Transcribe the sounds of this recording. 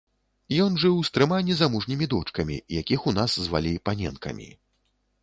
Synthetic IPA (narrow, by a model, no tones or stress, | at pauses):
jɔnʐɨwst̪ɾɨmanʲːizamuʐnʲimʲid̪ɔt͡ʂkɐmʲḭjakʲixunasːva̰lʲipanʲɛ̰nkɐ̰mʲḭ